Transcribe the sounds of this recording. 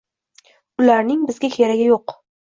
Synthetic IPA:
ʊlaɾnɪŋbɪzɡʲakʲʰeɾaɡʲɪjoq

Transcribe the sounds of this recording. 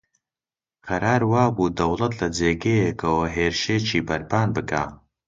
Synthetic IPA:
qɐɾaːɾwaːbuːd̪ɐwlˠɐt̪lɐd͡zeːɡejekʰɐwɐɦeːɾʃeːt͡ʃiːbɐɾpʰaːnbɨkʰa̰ː

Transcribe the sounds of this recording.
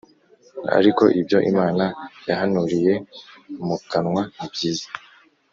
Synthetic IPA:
a̰ɾiko̞ʔibjo̞ʔimaːnajaɦanuɾije̞mukanŋwanibjiːzḁ

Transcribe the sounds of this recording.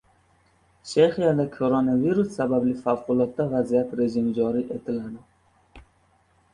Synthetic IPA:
ʃeχijad̪ɛkʰoɾonaviɾusːæbæblifawqʊlˠɔt̪ːavæzijat̪ɾeʒimd͡ʒɑɾiʔet̪ʰɪlad̪ɪ

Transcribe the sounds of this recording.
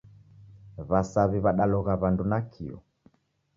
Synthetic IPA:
βasaβiβaɗalɔɣaβandunakʰḭɔ̰

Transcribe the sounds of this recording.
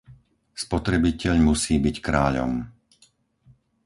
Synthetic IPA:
spɔt̪ɾɛbicɛʎmusiːbickɾaːʎɔ̰m

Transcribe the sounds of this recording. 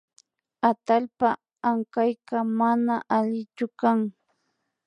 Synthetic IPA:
at̪alpa | aŋkajɢɑmanaʔaʎɪt͡ʃʊkaŋ

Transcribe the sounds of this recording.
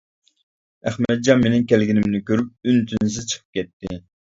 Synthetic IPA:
æχmɛt̪̚d͡ʒɑmenɪŋkʲʰɛlɡʲinɪmnɪkʲøɾyp̚ynt̪ʰyns̬ɪzt͡ʃʰə̥qʰə̥p̚kʲɛt̪ːɪ

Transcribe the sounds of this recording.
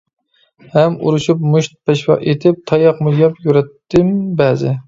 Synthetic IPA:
hæmṵɾɨʃupmuʃt̪̚pʰɛʃwɑ̰ʔet̪ʰɪp̚t̪ʰɑjɑqmʊjɑpjuɾɛt̪ːɪmbæzɪ̰

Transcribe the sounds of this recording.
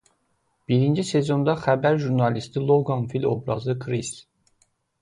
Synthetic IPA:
b̥iɾind͡ʒise̞zo̞nd̪ɑχæbæɾʒuɾnɑlist̪ilˠoɡɑnfilʲo̰bɾɑ̰zɯkʰɾis

